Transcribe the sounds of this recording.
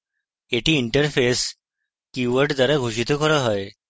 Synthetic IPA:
eʈiːɳʈəɾfes | kiʋəɾʈd͡z̪aɾaɡʱuɕit̪ɔkəɾəɦəj

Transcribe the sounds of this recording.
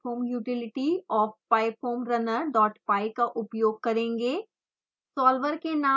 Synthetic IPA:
oːmjuːʈɪlɪʈiɔːfpaːɪpʰoːmɾɐnəɾɖɔːʈpaːɪkaʔʊpjoːɡ̚kɐɾẽːŋɡeː | sɔːlʋəɾkenãː

